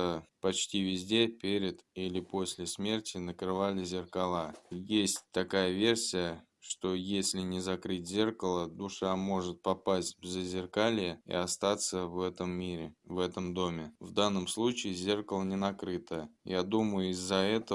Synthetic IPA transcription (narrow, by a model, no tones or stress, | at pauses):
əpɐt͡ɕtʲivʲɪzʲdʲe̞pʲeɾʲɪd̪ilʲɪpo̞sʲlʲɪsmʲe̞rtʲɪnəkɾɨvalʲɪzʲɪrkɐlˠajesʲtʲt̪ɐkajəvʲe̞rsʲɪjə | ʂt̪o̞jesʲlʲɪnʲɪzɐkɾɨtʲzʲe̞rkəlˠəd̪ʊʂamo̞ʐɨt̪̚pɐpasʲt̚ʲvʲzʲəzʲɪrkalʲɪjəḭɐst̪at̪səvɛt̪əmiɾʲɪvɛt̪əmd̪o̞mʲɪvd̪anːəmslˠut͡ɕɪɪzʲe̞rkəlˠənʲɪnɐkɾɨt̪əjad̪uməjʊɪzːɐɛt̪ə